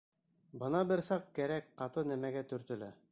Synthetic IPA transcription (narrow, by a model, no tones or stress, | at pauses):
bɤ̆nɑbɘɾsɑq̚kæɾækqɑt̪ɤnæmæɡæt̪ɵ̆ɾt̪ɵ̆læ